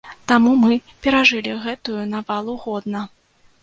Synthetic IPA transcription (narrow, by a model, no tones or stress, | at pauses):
t̪amumɨ | pʲɛɾaʐɨlʲiɣɛt̪ujunavalˠuɣɔd̪nɐ